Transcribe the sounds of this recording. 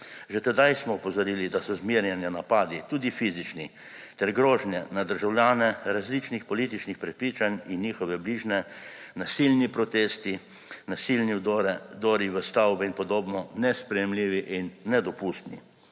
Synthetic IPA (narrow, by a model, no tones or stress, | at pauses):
ʒɛt̪ɛd̪ajsmɔɔpɔzɔɾiːlid̪asɔzmiɾjɛnjanapaːd̪it̪uːd̪ifiːzit͡ʃni | t̪ɛɾɡɾoːʒnjɛnad̪əɾʒawlʲjaːnɛɾazlit͡ʃnixpɔliːt̪it͡ʃnixpɾɛpɾiːt͡ʃaninːiːxɔʋɛbliːʒnɛnasilnipɾɔt̪eːst̪i | nasilnid̪ɾd̪oːɾiʋəst̪awbɛinpɔd̪oːbnɔnɛspɾɛjɛmliːʋiʔinːɛd̪ɔpust̪nḭ